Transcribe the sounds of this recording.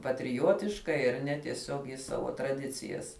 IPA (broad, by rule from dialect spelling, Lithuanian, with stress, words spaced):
pɐtʲrʲɪˈjoːtʲɪʃkɐɪ ɐr ˈnʲɛ tʲiɛˈsʲoːk jɪs ˈsɑːʋoː trɐˈdʲɪt͡sʲɪjɛs